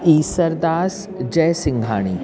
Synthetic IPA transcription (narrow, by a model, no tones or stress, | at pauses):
iːsɐɾd̪aːs | d͡ʒɛːsɪ̃ŋɡʱa̰ːɽ̃ḭː